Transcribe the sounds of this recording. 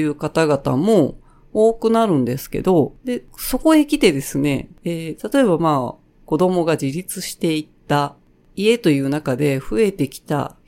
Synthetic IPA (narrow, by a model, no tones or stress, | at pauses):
jɯ̟ːkat̪aɡat̪a̰mo̞ | oːkɯ̟naɾɯ̟̃nd̪e̞sɨ̥ke̞̰d̪o̞d̪e̞so̞ko̞ekʲit̪e̞d̪e̞sɨne̞̰eːt̪at̪o̞e̞bamaː | ko̞d̪o̞mo̞ɡad͡ʑiɾʲit͡sɨɕi̥t̪e̞it̪ːa | ie̞t̪o̞jɯ̟ːnakad̪e̞ɸɯ̟e̞t̪e̞kʲi̥t̪a̰